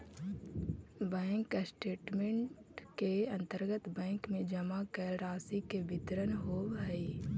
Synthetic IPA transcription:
bɛːŋkasʈeːʈmẽɳʈkeɐ̃nt̪əɾɡət̪bɛ̃ːŋkmẽd͡ʒəmakəɾaːsikebʱɪt̪ɾənɦoːbɦɛi

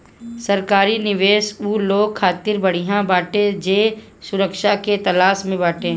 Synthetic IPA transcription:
sɐɾkaːɾinɪʋeːʃuːloːɡ̚kʰaːt̪ɪɾbɐɽ̤iɦãbaːʈed͡ʒeː | sʊɾəkʃaket̪ɐlaːʃmẽbaːʈeː

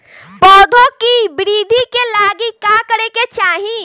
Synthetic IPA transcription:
pɔːd̪ʱõkibɪɾiːd̪ʱikelaːɡikaːkəɽeket͡ʃaːɦĩ

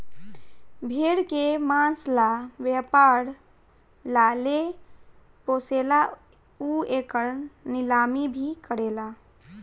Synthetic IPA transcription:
bʱeɽkemanslaʋepaɾ | lale | posela | uekəɾnilamibʱikəɾela

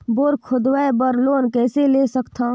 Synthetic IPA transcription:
boːɾkʰʊd̪ʋaebəɾloːnkɛːseleːsəkt̪ʰãː

